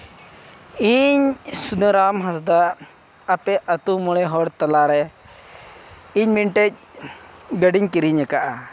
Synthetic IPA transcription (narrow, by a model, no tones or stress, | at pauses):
iɲsunəɾamɦasd̪aː | pɛʔət̪umɔɭɛɦɔɽt̪alaɾɛ | iɲmiɳʈɛc̚ | ɡəɖiɲkiɾiɲɛkaʔa